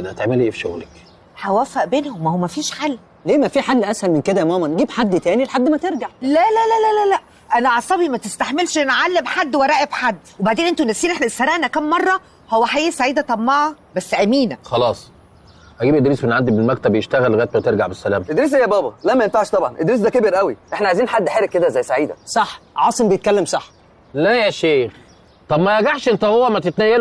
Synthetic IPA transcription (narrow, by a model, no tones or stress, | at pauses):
ʔenhæt̪eʕmelʔeːfʃoɣlæk | ħæwæːfæʔbeːnhomʔæowmæfiːʃħalː | leːmæfiːħad̪ːʔæshælmenked̪æʔmæːmænɡiːbħad̪ːt̪æːnilħad̪ːmæt̪eɾɡaʕlælælælælælæʔ | ʔænæʕɑsˤɑbimæt̪est̪aħmelʃʔenʔʕalːemħad̪ːwæɾˤæːʔebħad̪ːwebaʕd̪eːnʔent̪onæsːiːnʔeħnæʔsːæɾæːʔnækæmːɑrˤːɑ | howːæħaʔiːsaʕiːd̪æt̪ˤɑmːɑʕɑ | bæsːʔæmiːnæxɑlɑːsˤ | ʔæɡibʔed̪ɾiːsmenʕand̪ibelmæk̚t̪æbjeʃt̪æɣælːɣæːt̪̚bæt̪eɾɡaʕbesːælæːmed̪ɾiːs̬ʔejːæbɑːbɑlæmːæjenfaʕʃt̪ˤɑbʕɑnʔed̪ɾiːs̬d̪ækebeɾʔæwiʔeħnæʕajziːnħad̪ːħeːɾekked̪æzæjːsaʕiːd̪æ̰sˤɑħʕɑːsˤembejet̪̚kælːemsˤɑħ | læjæʃeːx | t̪ˤɑbmæjæɡaʕʃʔent̪æhowːæmæt̪et̪næjːæl